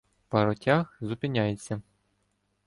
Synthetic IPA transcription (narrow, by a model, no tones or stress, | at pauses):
pɐɾɔtʲaxzʊpɪnʲajet͡sʲːɐ